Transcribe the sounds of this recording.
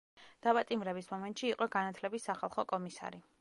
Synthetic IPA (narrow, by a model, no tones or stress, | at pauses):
d̪̥apʼat̪ʼimɾɛbismɔmɛnt̪ʼʃiːqʼɔɡanat̪ʰlɛbisːaχalˠχɔkʼɔmisa̰ɾi